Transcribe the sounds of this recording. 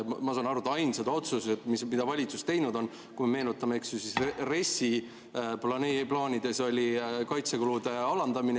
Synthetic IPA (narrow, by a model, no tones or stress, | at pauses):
mɑsɑːnɑɾut̪ːɑɑjnsed̪ɑo̞t̪suset̪mismid̪̥ɑvɑlʲit̪sust̪e̞jnud̪o̞n | kujmeme̞ːnut̪ːˑɑmeeksusisre̞si | plɑneplɑːnʲid̪̥e̞so̞lʲikɑjt̪se̞kulud̪e̞ɑlɑnd̪ɑmin